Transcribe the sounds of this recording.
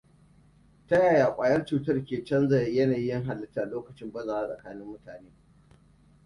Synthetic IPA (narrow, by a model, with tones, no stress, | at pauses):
tɐ˦jaː˨jaː˨kʷʼaː˨jɐ˦rt͡ʃuː˨tɐ˦rkʲeː˨t͡ʃɐ˦nzɐ˨jjɐ˦naː˨ji˦jɪ˦ŋɦa˨lːɐ˦tːa˦ʔa˨loː˦kɐ˨t͡ʃɪ˦mbɐ˦zaː˨wa˦sʼɐ̰˨kaː˦nɪ˦mːʊ˦taː˨neː˦